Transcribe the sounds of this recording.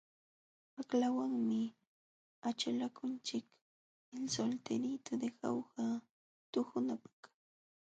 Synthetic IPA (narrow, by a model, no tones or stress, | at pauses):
aklawaŋmɪ | at͡ʃalakʊnt͡ʃɪk | ɪnsolt̪ɪɾit̪ʊd̪exa̰wha | t̪ʊhʊnapḁχ